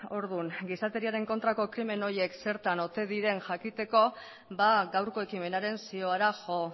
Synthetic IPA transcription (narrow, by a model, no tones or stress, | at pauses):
o̞ɾðuŋɡisat̪e̞ɾiaɾe̞ŋko̞nt̪ɾako̞kɾime̞no̞je̞kse̞ɾt̪ano̞t̪e̞ðiɾe̞nʝakit̪e̞ko̞ | baɡawɾko̞e̞kime̞naɾe̞nsio̞aɾaʝo̞